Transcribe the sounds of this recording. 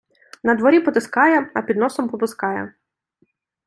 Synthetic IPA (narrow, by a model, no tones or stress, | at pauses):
nɐd̪ʋɔɾʲipɔt̪ɪskɑjɛɐpʲid̪nɔsɔmpɔpɪskɑjɛ̰